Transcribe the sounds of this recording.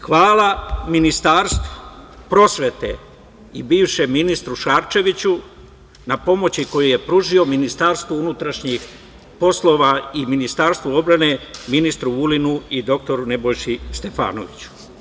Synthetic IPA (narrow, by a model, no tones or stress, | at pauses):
xʋaːlˠaminist̪aːɾst̪ʋo̥pɾo̞sʋe̞t̪e̞̰ | ibiːʋʃe̞minist̪ɾuʃaːɾt͡ʃe̞ʋit͡ɕu | napo̞mo̞t͡ɕiko̞juje̞pɾuʒio̞minist̪aːɾst̪ʋounut̪ɾaʃɲix | po̞slˠo̞ʋaiminist̪aːɾst̪ʋuo̞bɾane̞minist̪ɾuulinuid̪o̞k̚t̪o̞ɾune̞bo̞jʃist̪e̞fa̰ːno̰ʋit͡ɕu̥